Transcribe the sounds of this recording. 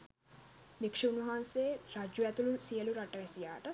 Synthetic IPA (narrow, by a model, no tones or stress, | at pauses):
nikʂiunuɦaːnseːɾad͡ʒuɛt̪ulusijəluɾaʈɐʋɛsija̰ːʈə